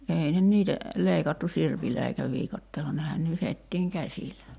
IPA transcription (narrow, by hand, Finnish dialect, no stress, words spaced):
ei nen niːtæ leikɑtːu sirpilːæ eikæ ʋiːkɑtːeːlːɑ nehæn nyhetːiːŋ kæsilæ